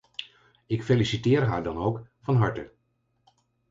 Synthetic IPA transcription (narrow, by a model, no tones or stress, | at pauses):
ɪkfelisitɪːɹɦaːɹdɑnowkfɑnɦɑɹtə